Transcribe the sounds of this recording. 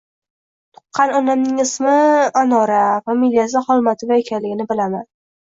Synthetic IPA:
t̪ʰʊ̥qʰːɑnɒnamnɪŋɪsmɪanɒɾafamilijas̬ɪχɒlˠmat̪ʰɪvaekʲʰanlɪɡʲɪnɪbɪlaman

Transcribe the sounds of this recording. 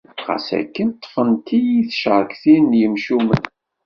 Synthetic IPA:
ʁæ̰sæ̰kːənt̪ˤːfənt̪ijiθʃəʕˤkθinjəmʃumə̰n

